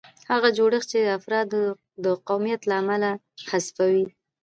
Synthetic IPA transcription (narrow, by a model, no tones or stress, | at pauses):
haɣad͡ʒoɽəxt͡ʃed̪əafɾɑd̪ | d̪əqawmijat̪laːmala | xasfawi